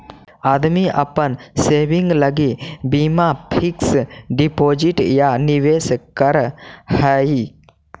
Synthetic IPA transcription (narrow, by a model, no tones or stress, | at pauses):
ad̪miʔapənsebiŋɡləɡibimapʰiksɖipod͡ʒiʈjaniweskəɾhəji